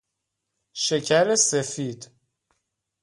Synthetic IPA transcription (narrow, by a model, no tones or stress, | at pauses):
ʃecʰæɾesefiːd̪